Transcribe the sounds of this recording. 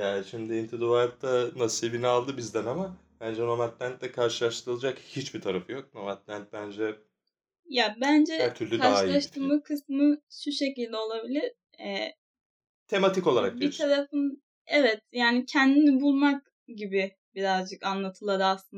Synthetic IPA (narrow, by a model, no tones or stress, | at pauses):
jaːʃimd̪iːnt̪ʰid̪uvaɾt̚t̪ʰanasɯilbinɛalˠd̪ɯbizd̪ænama | bænd͡ʒɛnomat̪lʲænt̪̚d̪ɛkʰaɾʃɯlˠaʃt̪ʰɯɾɯlˠad͡ʒakhit͡ʃbit̪ʰaɾafɯjo̞k̚nomat̪lʲænt̪̚bænd͡ʒɛ | jabænd͡ʒɛat̪ʰyɾlʲykʰaɾaʃjlˠaʃt̪ɯmɯkʰɯsmɯʃuʃe̞cilʲd̪ɛo̞lˠabilʲiɾ̥ | ɛ | t̪ʰe̞mat̪ʰiko̞lˠaɾak̚beit̪ʰaɾafɯn | ɛvɛt̪jaːnicʰɛnd̪inibulˠmak | ɟibi | biɾazd͡ʒɯkanlˠat̪ʰɯlˠad̪ɯaslˠɯn